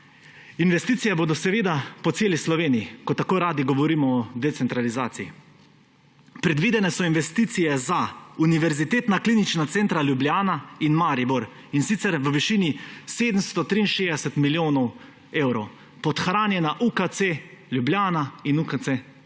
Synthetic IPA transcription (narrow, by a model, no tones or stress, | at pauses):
inʋɛst̪iːt̪ijɛboːd̪ɔsɛʋeːd̪apɔseːlislɔʋeːnijikɔt̪ːakoːɾaːd̪iɡɔʋɔɾiːmɔːd̪ɛt̪sɛnt̪ɾalizaːt̪sii | pɾɛd̪ʋiːd̪ɛnɛsɔinʋɛst̪iːt̪sijɛzauniʋɛɾzit̪eːt̪nakliːnit͡ʃnat̪sɛːnt̪ɾaljubljaːnainmaɾibɔɾ | insit̪sɛɾʋəʋiʃiːniseːd̪əmst̪ɔt̪ɾiːnʃeːd̪ɛsɛt̪miljoːnɔw | eːwɾɔw | pɔt̪xɾaːnjɛnaʔukat̪seljubljaːnainukase